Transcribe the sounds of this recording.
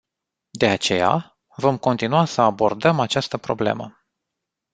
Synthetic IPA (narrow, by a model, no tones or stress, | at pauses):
d̪e̞at͡ʃe̞̰ja̰ | vo̞mko̞nt̪inuasəabo̞rd̪əmat͡ʃast̪əpɾo̞̰ble̞̰mə̰